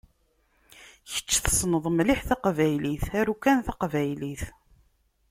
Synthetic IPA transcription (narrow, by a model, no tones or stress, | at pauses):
çə̥t͡ʃːθə̥sˤnəðˤmliħθɑqvæjliθæɾukːænθɑqvæjliθ